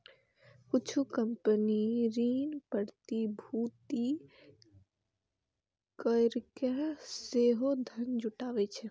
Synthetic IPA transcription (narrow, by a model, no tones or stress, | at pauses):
kʊt͡ʃʰukəmpəniɾiːnpəɾt̪ibʱut̪i | kəɾkeseɦod̪ʱənd͡ʒʊʈaːʋɛt͡ʃʰɛ